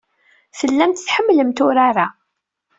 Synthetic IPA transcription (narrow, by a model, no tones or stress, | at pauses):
θəlːæmt̪θħəmːləmt̪ʊɾaɾa